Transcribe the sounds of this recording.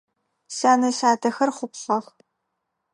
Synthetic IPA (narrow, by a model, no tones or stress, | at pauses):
saːnɐɕaːdɐxɐrχʷʊpɬɐχ